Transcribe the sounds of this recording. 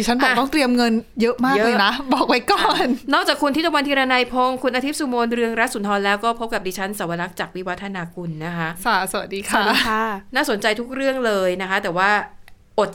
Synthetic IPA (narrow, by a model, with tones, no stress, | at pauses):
diː˧t͡ɕʰa˦˥nbɔː˨˩˨t̪ɔ˥˩ŋt̪ɾi˧əmŋɤ˧njɤ˦˥ʔmaː˥˩kjlɤː˥˧jna˦˥bɔː˨˩k̚wa˦˥jkɔː˨˩nnɔː˥˩k̚t͡ɕaː˨˩kʰːu˧nt̪ʰi˥˩a˧wa˧nt̪ʰiː˧ɾaː˧na˧jpʰo˧ŋkʰu˧nʔa˧i˦˥p̚su˧moː˧nɾɯ˧əŋɾa˦˥t̪̚su˨˩˦nt̪ʰɔː˧nlɛː˦˥wkɔː˥˩pʰo˦˥p̚ka˨˩iː˧t͡ɕʰa˦˥nsa˩˦wa˧na˦˥k̚t͡ɕaː˨˩k̚wi˦˥wa˦t̪ʰːa˧naː˧ku˧nːa˦˥kʰa˦˥ʔsa˧˩sa˧˩wa˨˩diː˧kʰa˦˧˥naː˥˩so˩˦nt͡ɕa˧jt̪ʰu˦˥k̚ɾɯ˥˩əŋlɤː˧jna˦˥kʰa˦˥t̪ɛː˨˩waː˥˩ | ʔo˨˩t̪̚